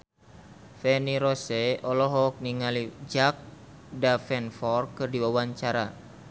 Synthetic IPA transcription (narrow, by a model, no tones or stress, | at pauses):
fɛniɾosɛɔlɔɦɔk̚niŋalid͡ʒak̚ | dafɛnfɔrkɨrdiwawaɲt͡ʃaɾa